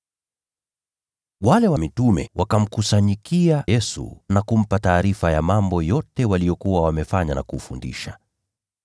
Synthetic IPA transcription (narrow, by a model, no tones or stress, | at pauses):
walɛwamitumɛ̰wʔakam̩kusaɲikiajɛsṵnakum̩pataːɾifajamambɔjɔtɛwalijɔkuwawamɛfaɲana̰kufundḭʃa